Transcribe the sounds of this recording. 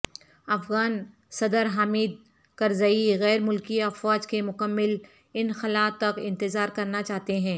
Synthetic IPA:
ɐfɣaːn | sɐd̪əɾɦaːmiːd̪̚ | kɐɾzaːiɣɛːɾmʊlkiɐfwaːd͡ʒkemʊkəmːɪl | ɪnxɐlaːt̪ɐkɪ̃nt̪ɪzaːɾkɐɾnat͡ʃaːɦt̪eɦɛ̃ː

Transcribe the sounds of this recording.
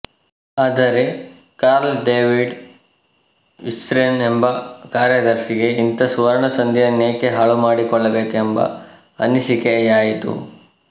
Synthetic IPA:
aːd̪ɐɾe̞ | kaːɾlɖeːʋiɖ | ḭsʈɾenembɐkaːɾjɐd̪ɐɾʂiɡe̞int̪ɐsuʋɐɾɐɳɐsɐnd̪ijɐneːkeɦaːɭumaːɽikɔɭːɐbe̞ːkembɐ̰ | ɐ̰nisikejaːjit̪ṵ

